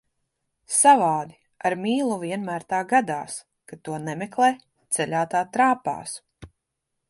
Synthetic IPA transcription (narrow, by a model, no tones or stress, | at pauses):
savaːd̪i | aɾmiːlˠuvʲiɛnmæːɾt̪aːɡad̪a̰ːs | kat̪uɔnɛmɛklˠɛj | t̪sɛlʲaːt̪aːt̪ɾaːpa̰ːs